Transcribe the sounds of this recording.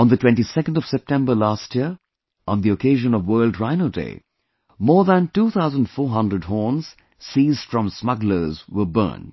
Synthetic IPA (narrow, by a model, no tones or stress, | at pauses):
ə̃nðətʰw̥ɛ̃ntisɛkə̃n̩dʌv̥sɛp̚tʰɛ̃mbə˞lastjiəɹ | ʔə̃nðiəkʰeɪʒə̃nʌvwɜːlˠdɹãɪ̃nəldḛɪ | mɔːɹðə̃ntuːθaʊzə̃ndfɔːɹɦʌ̃ndɹəd̚ɦɔːɹnz̥ | siːzd̥fɹʌ̃msmʌɡlə˞zwə˞bɜ̰̃˞n